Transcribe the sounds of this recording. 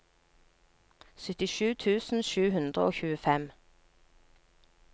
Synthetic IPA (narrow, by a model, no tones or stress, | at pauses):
sœt̪ɪʃʉːt̪ʰʉːsn̩ʃʉːhʉnd̪ʁəʔoːçʉːəfɛm